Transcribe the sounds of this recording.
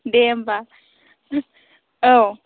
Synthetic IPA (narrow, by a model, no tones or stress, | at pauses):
ndɛmba | ow